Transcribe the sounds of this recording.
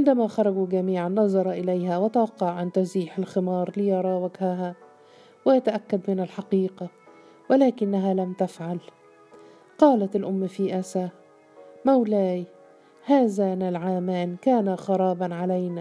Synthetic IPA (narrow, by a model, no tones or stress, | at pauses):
ʕɪnd̪amaxɑɾˤɑɡuɡamiːʕanːɑzˤɑɾˤɑʔɪlajhawɪt̪awɑqːɑʕʔant̪ʊziːħalxɪmɑːɾˤlɪjɑɾˤɑːwaɡhaɦa | wɪjat̪aʔakːad̪mɪnalħɑqiːqa | wɪlaːkɪnːaɦalamt̪afʕal | qɑːlat̪ɪlʔʊmːfiːʔasa | mawlaːj | haːzaːnalʕaːmaːnkaːnaxɑɾˤɑːbɑnʕalajna